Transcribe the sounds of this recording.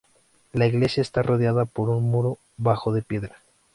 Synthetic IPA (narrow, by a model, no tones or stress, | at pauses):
laiɣle̞sjaest̪arʔo̞ð̞jaðapo̞ɾunmuɾo | βaxo̞ðe̞pje̞ðɾa